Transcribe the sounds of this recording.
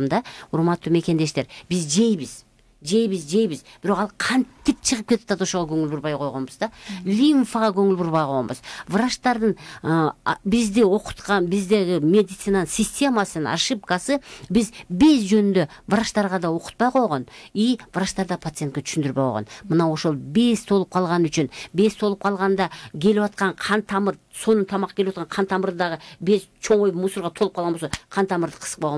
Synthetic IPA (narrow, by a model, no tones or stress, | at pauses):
md̪ɑʊɾmɑt̪ːume̞kʲe̞nd̪e̞ʃt̪e̞ɾbɪzd͡ʒe̞jbɪz | d͡ʒe̞jbɪzd͡ʒe̞jbɪzb̥ɪɾo̞qɑlˠqʰɑnt̪ɪp̚t͡ʃʰəʁəp̚kʰʲe̞t̪t̪ʰɑt̪o̞ʃoʁɑkʲʰɵŋɪlbuɾbɑjqʰo̞jʁonbəzd̪ɑlʲinfaʁɑkʲʰɵŋɪlbuɾβɑjqʰojʁonbəzvɾaʃt̪ɑɾd̪əɴ | bɪzd̪ɪwo̞qə̥t̪qɑnbɪzd̪eɡʲɪmʲe̞d̪it̪sinansʲisʲtʲe̞mɑsənna̰ʃɨp̚kɑsəbɪzbe̞sʒɵnɪnd̪evəɾɑʃt̪ɑɾʁɑd̪ɑwo̞qə̥t̪̚pɑjqʰojʁɑnijv̥əɾɑʃt̪ɑɾd̪ɑpʰat̪sɨjet̪kʲet̪ʰʏʃɪnd̪ɪɾbejo̰ʁɑ̰nmənɑwoʃo̞lˠbe̞st̪ʰo̞lˠəp̚qʰɑlˠʁɑnʏt͡ʃɪnbe̞st̪ʰo̞lˠəp̚qʰɑlˠʁɑnd̪ɑkʲʰe̞lɪwɑt̪̚qɑɴqʰɑnt̪ʰɑməɾ | so̞nət̪ʰɑmɑqːɑkʲelewɑt̪qɑɴqʰɑnt̪ʰɑməɾd̪d̪ɑʁəbe̞st͡ʃʰo̞ɴwojbmusəɾʁɑt̪ʰolˠəpqʰlˠʁɑnbosqʰɑnt̪ʰɑməɾd̪ə̥qʰə̥z̥ə̥qpojʁɑ